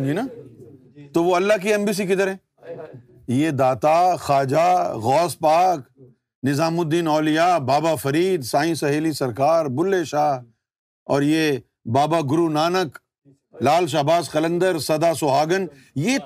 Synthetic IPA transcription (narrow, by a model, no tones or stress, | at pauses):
d͡ʒina | t̪oʋoɐlːaɦkiɛmbiːs̬ikɪd̪ɐɾɦɛ̃ | jed̪aːt̪axaːd͡ʒaɣɔːspaːk | nɪzaːmʊd̪ːiːnɔːlɪjabaːbafɐɾiːd̪saːĩsɐɦeːlisɐɾkaːɾbʊlːeːʃaː | ɔːɾje | baːbaɡʊɾunaːnək | laːlʃ̬aɦbaːsqɐlə̃nd̪əɾsɐd̪asoɦaːɡən | jeː